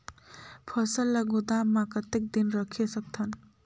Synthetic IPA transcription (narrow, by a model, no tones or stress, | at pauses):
pʰʌsəlːəɡod̪amakət̪ek̚d̪inɾəkʰesək̚t̪ʰən